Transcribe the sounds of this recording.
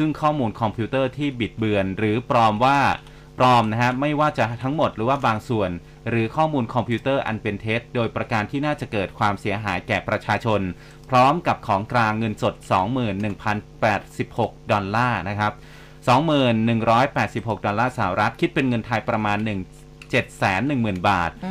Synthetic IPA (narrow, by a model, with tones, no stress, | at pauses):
sɯ˥˩ŋkʰɔː˥˩muː˧nkʰɔ˧mpʰiː˦˥t̪ɤː˥˩t̪ʰiː˥˩bi˨˩t̪̚bɯ˧ənɾɯː˩˦pɾɔː˧mwaː˥˩ | pɾɔː˧mna˦˥kʰa˦˥ma˥˩jwaː˥˩t͡ɕa˨˩ʔt̪ʰa˦˥ŋmo˨˩t̪̚ɾɯː˩˦waː˥˩baː˧ŋsu˨˩ən | ɾɯː˩˦kʰɔː˥˩muː˧nkʰɔ˧mpʰiː˦˥t̪ɤː˥˩ʔa̰˧npe˧nt̪ʰeː˦˥t̚doː˧jpɾa˧kaː˧nt̪ʰiː˥˩naː˥˩t͡ɕa˨˩kɤː˨˩t̪̚kʰwaː˧msi˩˦ɐɦaː˩˦jkɛː˨˩pɾa˧t͡ɕʰaː˧t͡ɕʰo˧n | pʰɾɔː˦˥mka˨˩p̚kʰɔː˩˦ŋkɾaː˧ŋːɤ˧nso˨˩t̪̚sɔː˩˦ŋmɯː˨˩nːɯ˨˩ŋpʰa˧npɛː˨˩t̪̚si˨˩p̚ho˨˩k̚dɔ˧nlaː˥˩na˦˥kʰa˦˥p̚ | sɔː˩˦ŋmɯː˨˩nːɯ˨˩ŋɾɔː˦˥jpɛː˨˩t̪̚si˨˩p̚ho˨˩k̚dɔ˧nlːaː˥˩saː˧˨˩a˨ɾʔa˦˥t̪̚kʰi˦˥t̪̚pe˧nŋɤ˧nt̪ʰa˧jpɾa˧maː˧nːɯ˨˩ŋ | t͡ɕe˨˩t̪̚sɛː˩˦nːɯ˨˩ŋmɯː˨˩nbaː˨˩t̪̚